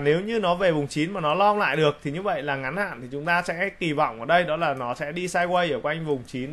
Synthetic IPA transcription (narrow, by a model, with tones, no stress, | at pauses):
ne˨˦wɲɨ˧nɔ˨˦ve˨˩vʊ˨˩wŋ͡mt͡ɕi˨˦nmaː˨˩nɔ˨˦lɔ˧la̰ː˧˨jɗɨ˨˩ək̚t̪ʰi˨˩ɲɨ˧və̰˧˨jlaː˨˩ŋa˨˦nha̰ː˧˨nt̪ʰi˨˩t͡ɕʊ˨˦ŋ͡mt̪aː˧sɛ̰˧˥ki˨˩vɔ̰˧˨wʔəː˧˩ɗə˧jɗɔ˨˦laː˨˩nɔ˨˦sɛ̰˧˥ɗi˧saː˧jkwə˧jʔəː˧˩kwa˧jŋ̟vʊ˨˩ŋ͡mt͡ɕi˨˦n